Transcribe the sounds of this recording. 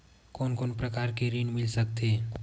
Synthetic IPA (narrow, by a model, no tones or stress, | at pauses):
koːnkonpɾəkaɾkeɾinmɪlsəkt̪ʰe